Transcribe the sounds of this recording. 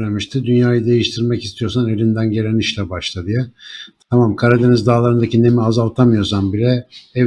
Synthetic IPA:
ɾemiʃt̪ʰɯd̪ynjaːjɯd̪e̞jiʃt̪ʰiɾmɛcist̪ʰijo̞ɾsanevind̪ænɟe̞ɾʲeniʃlʲɛbaʃlˠad̪ɯjat̪ʰamamkʰaɾad̪enizd̪aːlˠaɾɯnd̪acine̞miazalˠt̪ʰamɯjo̞ɾsanbilʲɛɛ

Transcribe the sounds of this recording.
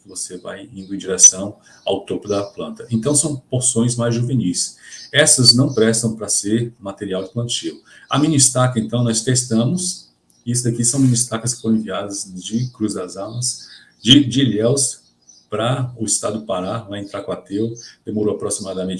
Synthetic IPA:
kɪvoseva̰jĩnd̪ʊẽd͡ʒiɾɛsɐ̃w̃ | a̰wt̪opʊd̪ɐplɐ̃nt̪ɐẽnt̪ɐ̃w̃sɐ̃w̃poɾsõj̃zmajzʒuvenijsɛsɐznɐ̃w̃pɾɛst̪ɐ̃w̃pɾɐseɾmat̪eɾiawd͡ʒɪplɐ̃nt͡ʃilʊɐmĩnist̪akɐẽnt̪ɐ̃w̃nɔst̪est̪ɐ̃mʊs | is̬ʊd̪ɐkisɐ̃w̃mĩnist̪akɐskɪ̥fõɾ̃ẽviad̪ɐzd͡ʒɪkɾuzɐzamɐs | d͡ʒɪd͡ʒɪʎɛws | pɾɐʊɪst̪ad̪ʊpaɾalaẽnt̪ɾakwat̪ewd̪̥emoɾowapɾosimad̪ɐmẽnt͡ʃ

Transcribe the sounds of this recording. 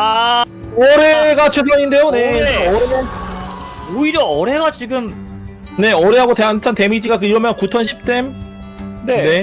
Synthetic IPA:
a | ʌɾe̞ɡat͡ɕʰwesʰʌɲinde̞jone̞ʌɾemjʌn | oiɾjʌʌɾe̞ɡat͡ɕiɡɯm | ne̞ʌɾe̞ɦaɡoteant͡ɕʰʌnte̞mid͡ʑiɡakɯiɾʌmjʌnkut͡ɕʰʌnɕʰip̚t͈e̞m | nene̞

